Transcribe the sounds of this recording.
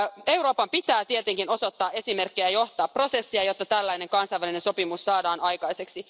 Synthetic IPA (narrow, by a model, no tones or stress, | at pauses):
ewɾo̞ːpɑmpit̪æːt̪ie̞t̪eŋkino̞so̞t̪ːɑːʔe̞sime̞rkːejæjo̞ht̪ɑːpro̞se̞sːiɑjo̞t̪ːɑt̪ælːæine̞ŋkɑnsɑjʋæline̞nso̞pimusːɑːdɑːnʔɑjkɑjse̞ksi